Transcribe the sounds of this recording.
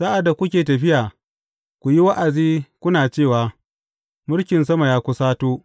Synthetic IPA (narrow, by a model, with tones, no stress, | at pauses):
saː˦ʔa˨dːa˨kʷʊ˦kʲeː˨tɐ˨ɸɪ˦jaː˨ | kʷu˨ji˦wa˦ʔa˨d͡ʒiː˦kʷʊ˦naː˨t͡ʃeː˦˨waː˨ | mʊ˦ɽkʲɪ˨ns̬ɐ˦ma˨jaː˦kʷʊ˦saː˦toː˦